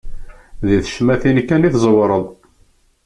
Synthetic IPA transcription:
ðiθʃmæθinkːæniθzˤwɾˤəðˤ

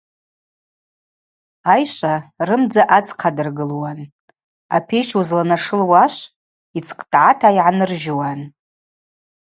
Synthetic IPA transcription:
ajʃʷarɨmd͡zaʔat͡sqʰadɨrɡɨlwan | a̰pʰejt͡ʃʰuzlanaʂɨlwaʃʷ | it͡sʰqʼtʼʕatʰaiʕanɨrʒwan

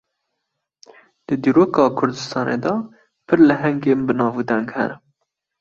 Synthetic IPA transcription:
d̪̥ɨd̪iːɾoːkɑːkʰʊɾd̪ɨst̪ɑːnḛd̪ɑ | pʰɨɾlɨɦɛŋɡeːmbɨnɑːvuːd̪ɛŋɡhɛ̰nɨ

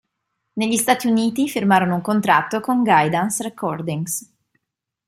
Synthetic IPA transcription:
neʎːist̪aːt̪iuniːt̪ifirmaːɾonouŋkont̪ɾat̪ːokoŋɡajd̪ansrekʰːɔrd̪iŋs

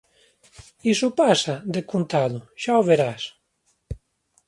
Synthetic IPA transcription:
isupasad̪ekunt̪aðuʃaoβeɾas

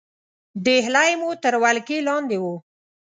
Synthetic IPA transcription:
d̪eɦlajmut̪əɾwalkelɑnd̪ewu

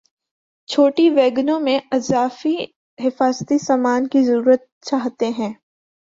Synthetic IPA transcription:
t͡ʃʰoːʈiʋeːɡnõmẽɪzaːfi | ɦɪfaːzt̪isaːmaːnkizɐɾuːɾət̪̚t͡ʃaːɦt̪eɦɛ̃ː

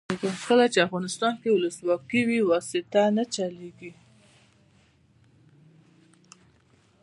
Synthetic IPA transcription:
kəkəlat͡ʃeafɣɑnɪst̪ɑnkewʊləswɑkiwiwɑsɪt̪anat͡ʃaleɡi

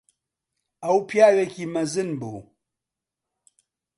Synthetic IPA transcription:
ɐwpʰjaːwekiːmɐzɨnbṵː

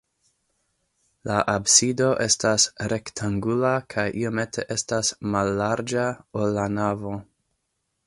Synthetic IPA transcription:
laʔabsido̞ʔe̞stasɾe̞ktʰaŋɡulakʰajʔio̞me̞tʰe̞ʔe̞stasmalːaɾd͡ʒaolːanavo̞

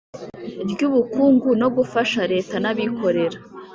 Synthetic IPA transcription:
bɟuβukuːŋɡuno̞ɡufaʃaɾe̞ːtanaβikʰo̞ɾe̞ɾa

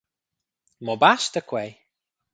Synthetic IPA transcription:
mɔbast̪əkʰwej

